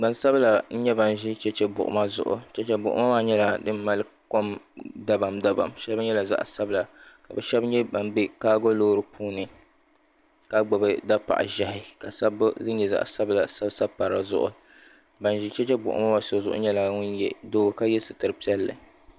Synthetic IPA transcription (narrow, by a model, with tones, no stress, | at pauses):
ba˨n˦sa˦bla˨n̩˦ɲɛ˦ba˨n˨ʒi˦t͡ʃɛ˦t͡ʃɛ˦bʊ̰˨ʔʊ̰˨ma˦zʊ̰˨ʔʊ̰˨t͡ʃɛ˦t͡ʃɛ˦bʊ̰˨ʔʊ̰˦ma˦maː˦ɲɛ˦la˨dɨ˦m̩˦ma˦lɨ˦ko˦mda˦ba˨mda˦ba̰˨mʃɛ˦lbɲɛ˦la˨za̰˦ʔsa˦bɨ˦la˨ka˨bɛ˨ʃɛ˦bɲɛ˦ba˨mbɪ˦kaː˦ɡo˦loː˦ɾɨ˨pʰuː˦nɨ˨ | ka˦ɡ͡bɔ˨bɨ˦da˦pa̰˨ʔa̰˨ʒa˦hɪ˨ka˨sa˦bzɨ˦ɲɛ˨za̰˨ʔsa˦bɨ˦la˨sa˦bsa˦bpːa˨ɾa˨zʊ̰˦ʔʊ̰˨ | ba˨nʒi˦t͡ʃɛ˦t͡ʃɛ˦bʊ̰˨ʔʊ̰˨ma˦ma˦so˨zʊ˦ʔʊ̰˦ɲɛ˦la˨ŋʊ˦njɛ˨doː˦ɡka˦jɛ˦sɨ˨tɨ˨ɾɨ˨pi˦ɛ˦lːɨ̰˨